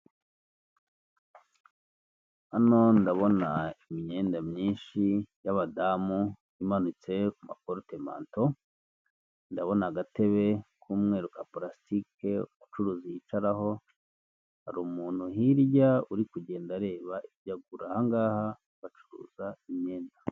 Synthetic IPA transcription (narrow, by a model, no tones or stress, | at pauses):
ano̞ndaβo̞naimiɲeːndamɲiːnʃijaβadamu | imanut͡se̞kuma̰koɾotema̰ːnto̞ | ndaβo̞naɡate̞βe̞kʰuːmŋe̞ːɾukapɾasi̥tike̞ut͡ʃuɾuːzijit͡ʃaɾaɦo̞ | haɾuːmuːn̥huhiɾɟauɾikuɟe̞ːndaɾe̞ːβaʔibɟaɡuɾahaŋɡaːha | β̥at͡ʃuɾṵːzaimɲe̞ːnda